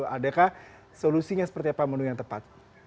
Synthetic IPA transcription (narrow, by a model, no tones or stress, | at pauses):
adakah | solusiɲasə̥pərt̪iapamənujaŋt̪əpat̪̚